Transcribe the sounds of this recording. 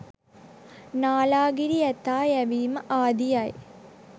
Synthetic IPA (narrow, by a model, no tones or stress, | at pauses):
naːlaːɡiɾiɐt̪ːaːjɐʋiːmɐʔaːd̪ijaːj